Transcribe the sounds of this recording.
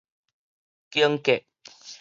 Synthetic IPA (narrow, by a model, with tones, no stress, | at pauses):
kjə˦ŋ˦kɛ˨ʔ